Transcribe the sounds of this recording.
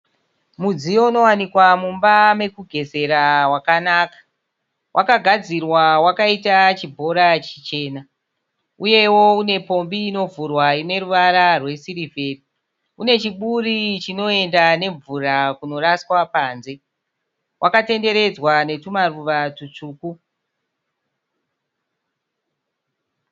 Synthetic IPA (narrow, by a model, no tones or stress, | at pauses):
mud͡zijouno̞wanikwamumbame̞kuɡʱe̞se̞ɾawakanaːkḁ | wʔakaɡʱad͡zirwawakaitat͡ʃibʱo̞ɾat͡ʃit͡ʃe̞ːna | uje̞wo̞une̞po̞mbiːno̞vurwaine̞ɾuʋaɾarwe̞siɾivʱe̞ːri | une̞t͡ʃiɓurit͡ʃino̞e̞ndane̞ɱvurakuno̞raswapaːnze̞ | wʔakate̞nde̞ɾe̞d͡zwane̞tumaruʋatut͡ʂuːku